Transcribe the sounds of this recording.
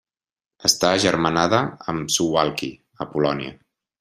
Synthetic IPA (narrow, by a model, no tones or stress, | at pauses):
əst̪aʒəɾmənaðəə̰msuwalˠki | əpulɔnḭə̰